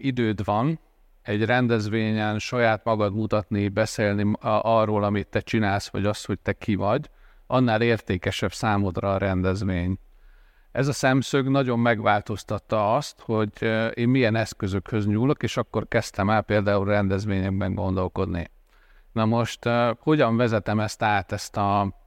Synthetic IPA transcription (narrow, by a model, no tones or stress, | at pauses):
id̪øːd̪ʋɒn | ɛɟrɛnd̪ɛzʋeːɲɛnʃɒjaːt̪mɒɡɒd̪mut̪ɒt̪nibɛseːlniʔɒrːoːlɒmit̪ːɛt͡ʃinaːlsʋɒ̰ɟɒst̪ho̞c̚t̪ɛkʰivɒɟ | ʔɒnːaːleːrt̪eːkɛʃɛbsaːmod̪rɒːɾɛnd̪ɛzʋeːɲ | ɛzɒsɛmsøɡnɒɟo̞mːɛɡʋaːlt̪o̞st̪ɒt̪ːɒɒst̪ho̞ɟeːmmijɛnɛskø̞zø̞khø̞zɲuːlo̞keːʃɒkːo̞rkɛst̪ɛmɛlpeːld̪aːulrɛnd̪ɛzʋeːɲɛɡ̚bɛŋɡo̞nd̪o̞lko̞d̪nḭ | nɒmo̞ʃt̪ho̞ɟɒɱvɛzɛt̪ɛmɛst̪aːt̪ɛst̪ɒ